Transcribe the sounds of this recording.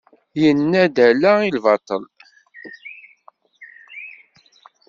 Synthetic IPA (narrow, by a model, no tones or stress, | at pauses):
jənːæd̪ælæilvɑt̪ˤːəl